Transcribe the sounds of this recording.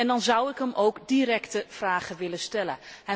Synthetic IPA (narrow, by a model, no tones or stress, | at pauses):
ɛndɑnzʌwɪkɦəmʔowɡdiɾɛktəv̥raːχəʋɪlənstɛlə̰nɦɛ